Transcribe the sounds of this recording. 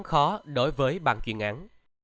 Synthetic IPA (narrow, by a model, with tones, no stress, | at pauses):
xɔ˨˦ɗo˨˦jvəː˨˦jɓa̰ː˧˨nt͡ɕwḭ˧˩ənʔaː˨˦n